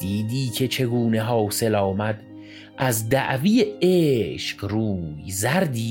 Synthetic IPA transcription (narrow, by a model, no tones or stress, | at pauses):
d̪iːd̪iːcʰe̞t͡ʃʰe̞ɡuːneɦɒːwse̞lɒːmæd̪ | ʔæzd̪æ̰ʔviːjeeːʃqɾuːjzæɾd̪iː